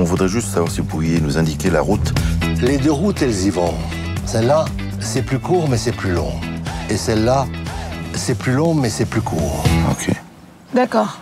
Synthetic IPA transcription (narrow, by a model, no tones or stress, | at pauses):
ɔ̃vud̪ʁɛʒyst̪savwaʁsivupuʁjenuzɛ̃d̪ikʲela̰ʁut̪led̪øʁut̪ɛlzivɔ̃ | sɛlːa | sɛplykuːʁmɛsɛplylɔ̰̃esɛlːa | sɛplylɔ̃mɛsɛplykʰuːʁo̰kʰʲḛ | d̪akɔːʁ